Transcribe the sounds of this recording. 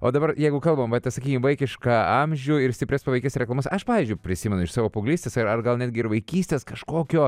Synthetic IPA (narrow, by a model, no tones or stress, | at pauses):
o̰ːd̪ɐbɐɾjɛɪɡʊkɐlˠbɐmʋɐt̪ʲɐsɐkʲiːkʲɪmʋɐɪkʲɪʃkɑːɐmʲʒʲʊɪɾsʲtʲɪpʲɾʲɛspɐʋɐɪkʲɛsɾʲɛklˠɐmɐsɐʃpɑːʋʲiɪzʲd͡ʒʲʊɪpʲɾʲɪsʲiːmʲɛnʊɪʃsɑːʋoːpʊɡlʲiːstʲeːsɐɾɐrɡɐlˠnʲæːd̪ʲɡʲɪɪɾʋɐɪkʲiːsʲt̪ʲeːskɐʃkoːkʲoː